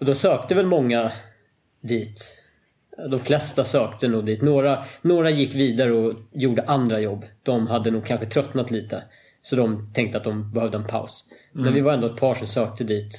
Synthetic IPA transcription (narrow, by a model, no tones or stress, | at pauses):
ɔd̪ɔsøːk̚t̪əvɛlmɔŋːa | d̪iːt̪ | d̪ɔmflɛst̪asøːkt̪ənuːɡd̪iːt̪noːɾanoːɾajɪkːviːd̪aɾəɔjuːɖəʔand̪ɾajɔbːd̪̥ɔmɦad̪ːənuːɡ̚kʰanɧət̪ʰɾœt̪nat̪liːt̪ə | sɔd̪ɔmt̪ʰɛŋk̚t̪əat̪̚d̪ɔmbɛhœvd̪əɛnpʰa̰ʊsmɛnvɪvaɾɛnd̪oːɛt̪̚pʰɑːʂɔmsøːk̚t̪əd̪iːt̪